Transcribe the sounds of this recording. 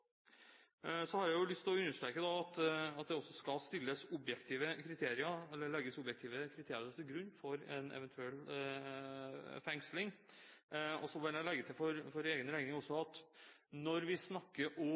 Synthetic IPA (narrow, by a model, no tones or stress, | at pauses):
sɔhɑɾjæɪjʊlʏst̪ʰɪlɔʉnːəʂʈ̪ɾeːkəd̪ɑɑt̪ɑt̪̚d̪ɛɔsːɔskɑlst̪ɪlːəsʊbjɛkt̪ʰiːʋəkʰɾɪt̪ʰeːɾɪəɛlːəɭɛɡəsɔbjɛkt̪ʰiːʋəkʰɾɪt̪ʰeːɾɪɾəɾt̪ʰɪlɡɾʉnːfɔɾɛ̰nɛ̰ʋənt̪ʰʉɛlː | fɛŋslɪŋ | ɔ̰sɔʋɪlæɪlɛɡːət̪ʰɪlfɔɾfɔɾeːɡənɾæɪɡnɪŋɔsːɔɑt̪ | nɔɾʋɪsnɑkːəɾʔɔ